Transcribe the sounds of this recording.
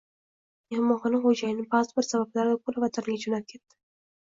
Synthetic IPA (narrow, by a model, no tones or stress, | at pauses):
ehɪmɒχɑnɪχod͡ʒajɪnɪbazɪbɪɾsabablaɾɪd̪akʰoɾavat̪ʰanɡʲad͡ʒonap̚kʲʰet̪ːɪ̥